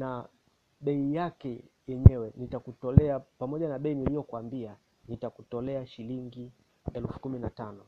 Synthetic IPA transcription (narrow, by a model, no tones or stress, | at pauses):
na | ɓɛijakɛjɛɲɛwɛnitakutɔlɛapamɔʄanaɓɛinilijɔkuambia | nitakutɔlɛaʃiliŋɡi | ɛlfu̥kuminatanɔ